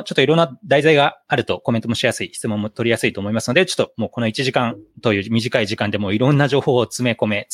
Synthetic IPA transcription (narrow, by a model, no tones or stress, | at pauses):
t͡ɕo̞t̪ːoiɾõ̞nːad̪aizaiɡaaɾɯ̟t̪o̞koment̪omo̞ɕijasɨiçi̥t͡sɨmõ̞mːot̪o̞ɾʲijasɨit̪o̞ːmo̞imasɨno̞d̪et͡ɕo̞̥t̪ːomo̞ːkono̞it͡ɕiʑikãnt̪o̞jɯ̟ːmʲiʑikaiʑikãnd̪emo̞ːiɾõ̞nːaʑo̞ːho̞ːt͡sɨme̞ko̞me̞